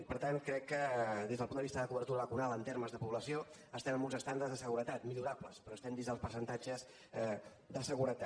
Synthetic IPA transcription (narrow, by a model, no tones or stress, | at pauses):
pəɾt̪ankɾɛkːəðezðəlpund̪əβist̪əðəkuβərt̪uɾəβəkunalˠənt̪eɾməzðəpuβləsio | əst̪ɛmə̃mbunzəst̪and̪ərzðəsəɣuɾət̪at̪miʎuɾapləspɾɔəst̪ɛmd̪izðəlˠspəɾsənt̪ad͡ʒəz | d̪əsəɣuɾət̪a